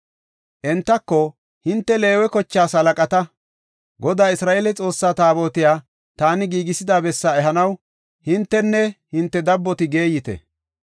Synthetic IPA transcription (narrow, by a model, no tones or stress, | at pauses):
ʔɛnt̪ːɐkːɔ | hɪnt̪ːɛle̞ːwɛkɔt͡ʃːaːsɐlɐkʼɐt̪ɐ | ɡɔd̪aːɪsɾaːʔeːlɛt͡sʼo̞ːsːaːt̪aːbo̞ːt̪ɪjaː | t̪aːnɪɡiːɡɪsɪd̪aːbɛsːaːɛɦɐnɐw | hɪnt̪ːɛnːɛhɪnt̪ːɛd̪ɐbːɔt̪ɪɡe̞ːjɪt̪ɛ̰